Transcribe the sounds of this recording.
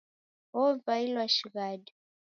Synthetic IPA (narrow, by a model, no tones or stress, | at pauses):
ɔvailwaʃiɣadi